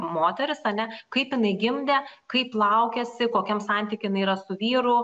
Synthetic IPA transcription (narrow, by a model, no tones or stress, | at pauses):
moːt̪ʲɛɾʲɪsɐnʲɛkɐɪpjɪnɐɪɡʲɪmʲd̪ʲekɐɪplˠɐʊkʲɛsʲɪkoːkʲɛmsɑˑnʲt̪ʲiːkʲɪjɪnɐɪiɾɐsʊʋʲiːɾʊ